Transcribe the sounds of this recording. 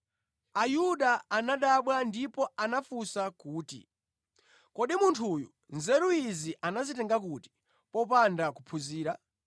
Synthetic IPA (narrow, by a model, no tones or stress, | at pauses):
ajuɗaːnaɗaɓwandipɔanafusakuːtḭ | kɔɗimuntʰujṵ | nzɛɾuiziʔanazitɛŋɡakuti̥ | pɔpandakupʰuziːɾa